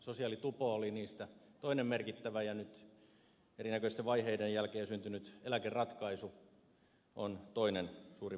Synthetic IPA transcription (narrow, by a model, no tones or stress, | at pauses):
sosiɑˑlit̪upooliniːst̪æt̪oinemmerkit̪ːæʋæjɑnyt̪ | erinækøist̪eʋʋɑiheidejjælkeːsynt̪ynyt̪elækerɑt̪kɑisu | ʔont̪oinensuːri